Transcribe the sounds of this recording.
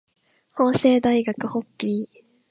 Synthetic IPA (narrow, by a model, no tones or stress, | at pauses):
ho̞ːse̞ːd̪aiɡakɯ̟ho̞kʲːiː